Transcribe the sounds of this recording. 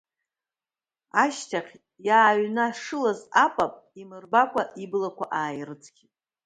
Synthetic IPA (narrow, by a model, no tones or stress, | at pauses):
aʃtʰaχʲ | jaːɥnaʂɨlazapʷʼapʼ | imɨrbakʷʰʼaʔiblakʷʰaʔaːjrɨt͡sʰɡʲitʼ